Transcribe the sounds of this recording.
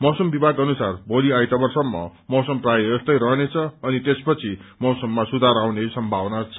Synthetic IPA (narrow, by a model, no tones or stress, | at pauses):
mʌsʌmbibʱaɡʌnusarbʱoliajt̪ʌbʌrsʌmːʌ̰mʌsʌmprajʌest̪ʌjɾʌɦnet͡sʰʌːnit̪espʌt͡sʰimʌsʌmːasud̪ʱaɾawnesʌmbʱawnat͡sʰʌ